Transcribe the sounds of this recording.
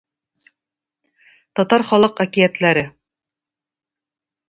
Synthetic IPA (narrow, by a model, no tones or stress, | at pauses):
t̪ɒt̪ɑɾχɒlˠɤqækijæt̪læɾɘ